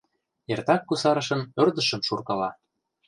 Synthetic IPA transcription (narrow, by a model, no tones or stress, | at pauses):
ert̪ɑkːusɑɾɤ̆ʃɤ̆nø̆rd̪ə̆ʃə̆mʃurkɤlɑ